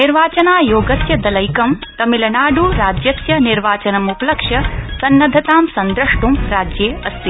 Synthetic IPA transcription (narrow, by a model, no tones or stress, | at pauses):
niɾʋaːt͡ʃɐnaːjoːɡɐsjɐd̪ɐlɐjkɐmt̪ɐmilɐnaːɖuɾaːd͡ʒjɐsjɐniɾʋaːt͡ʃɐnɐmupɐlɐkʂjɐsɐnːɐd̪ʱɐt̪aːmsɐnd̪ɾɐʂʈumɾaːd͡ʒjeːɐst̪i